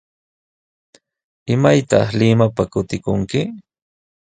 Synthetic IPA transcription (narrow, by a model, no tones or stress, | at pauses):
ɪmajt̪ɑχlɪmapakʊt̪ɪkʊŋkɪ